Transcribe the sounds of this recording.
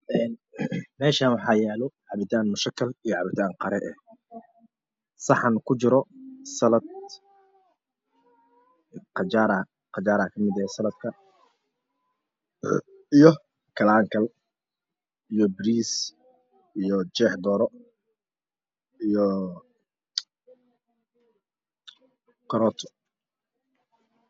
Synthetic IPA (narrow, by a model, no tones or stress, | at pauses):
ʔɛːnmɛːʃaːnwɑħɑːjɛːlɔʕɑβɪt̪ʰaːnmʊʃɐkʰːɐlijɔʕɑβɪt̪ʰaːŋqɑɾɛ̰ʔɛ̰ | sɑħɑnkʰʊt͡ʃɪɾɔsɐlɐd̪ | qɑt͡ʃaːɾɐ | qɑt͡ʃaːɾɐkʰɐmɪd̪ɐɛsɐlɐd̪̚kʰɐ | ijɔ | kʰɐlaːŋkʰɐl | ijɔbɾiːs | ijɔt͡ʃɛːħd̪ɔːɾɔ | ijɔ | kʰɐɾɔːt̪ʰʊ̥